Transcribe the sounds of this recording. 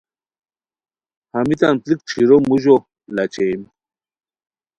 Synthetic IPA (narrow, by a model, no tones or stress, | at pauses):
hamit̪anplik̚ʈ͡ʂʰiɾomuʑo | lat͡ɕem